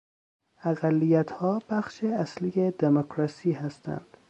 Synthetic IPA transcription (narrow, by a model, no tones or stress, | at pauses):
æɣælːijæt̪hɒːb̥æxʃeæslijed̪emokʰɾɒsiːhæst̪æ̰nd̪̥